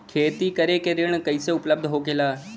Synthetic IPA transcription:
kʰeːt̪ikɐɾekeɾɪɽ̃kɐiseʊpləb̚d̪ʱɦoːkelaː

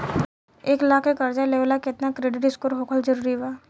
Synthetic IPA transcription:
eːklaːkʰekɐɾd͡ʒaleʋlakɪt̪nakɾeːɖɪʈɪskoɾɦoːkʰəld͡ʒəɾuːɾiʋaː

